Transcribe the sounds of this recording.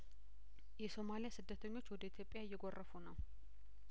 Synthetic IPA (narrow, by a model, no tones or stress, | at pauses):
jɛso̞malijasɨd̪ːət̪ʰəɲːo̞t͡ʃːwɔd̪əit̪ʰjo̞pʼːɪjajːɛɡorːəfunəw